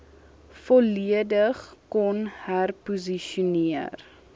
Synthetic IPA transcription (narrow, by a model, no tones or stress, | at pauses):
fɔliədəχkɔnhærpuziʃuniər